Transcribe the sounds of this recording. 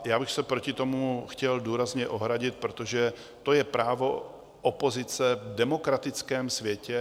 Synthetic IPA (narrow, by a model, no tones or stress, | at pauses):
jaːbɪxsɛpɾo̞cɪt̪o̞muxcɛlduːɾazɲɛʔo̞ɦɾaɟɪt̪̚pɾot̪o̞ʒɛ | t̪o̞jɛpɾaːvo̞ | ʔopo̞zɪt͡sɛvdɛmo̞kɾat̪ɪt͡skɛːmsvjɛcɛ